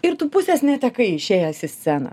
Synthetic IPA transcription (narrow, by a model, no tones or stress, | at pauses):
ɪɾt̪uːpʊsʲɛsnʲɛt̪ʲɛkɐɪɪʃʲeːjɛsʲɪsʲt͡sʲæːnɐ̰